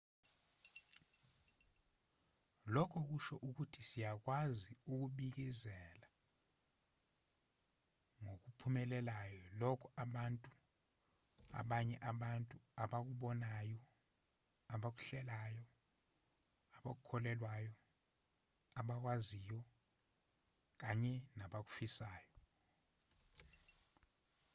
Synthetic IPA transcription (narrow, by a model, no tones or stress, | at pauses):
lɔkʰɔk̬uʃɔʔuk̬utʰisijak̬waziuk̬uɓik̬izɛla | ŋok̬upʰumɛlɛlajɔlɔkʰɔaɓantʼu | a̰ɓaɲɛʔaɓantʼuaɓak̬uɓɔnajɔ | aɓak̬u̥ɬɛlajɔ | aɓak̬ukʰɔlɛlwajɔ | aɓak̬wazijɔ | k̬aɲɛnaɓak̬u̥fisaːjɔ